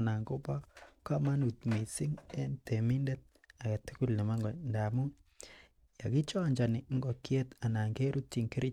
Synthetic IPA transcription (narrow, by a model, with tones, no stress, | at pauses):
na˨ŋko˦pɔ˦ka˦ma˦nu˨t̚mi˨si˦ŋe˦nte˨mi˦nde˦t̚ | a˨ka˨tu˦ku˦lne˨ma˦ŋɡɔ˨nda˨mu˦ | ja˨ki˦t͡ʃɔ˦˨ɲd͡ʒa˨nɪ˨˦ŋɡɔ˨kje˦ta˨na˨ŋke˦ɾʔu˦tt͡ʃi˨ŋki˦ɾi˦